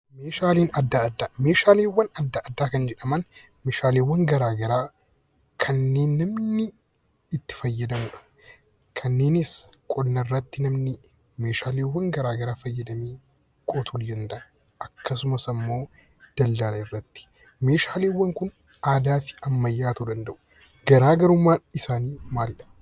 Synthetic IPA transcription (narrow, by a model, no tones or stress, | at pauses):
meːʃaːleːnɐd̪ːaːɐd̪ːaːme̞ːʃaːleːwːɐnɐd̪ːaʔːd̪ːaːkɐnd͡ʒɛᶑɐmɐn | meːʃaːleːwːɐŋɡɐɾaːɡɐɾaː | kʰɐnːe̞ːnːɐmnɪː | t̪ːɪ̥fɐjːɐd̪ɐmʊᶑɐ̥ | kʰɐnːeːnɪskʼɔdnɐrːɐt̪ːɪnɐmnɪ | me̞ːʃaːleːwːɐŋɡɐɾaːɡɐɾaːfɐjːɐd̪ɐmeː | kʼoːt̪ʰuːnd̪ɐnd̪ɐʔɐ | ɐkːɐsʊmɐsɐmːo̞ː | d̪̥ɐld̪ɐlɐɪrːɐt̪ːɪ̥ | me̞ːʃaːleːwːɐŋkʊn | aːd̪aːfɪ̥ɐmːɐjːaːt̪ud̪ɐnd̪ɐʔʊ̥ | ɡ̥ɐɾaːɡɐɾʊmːaːɪsaːniːmaːlɪᶑɐ̥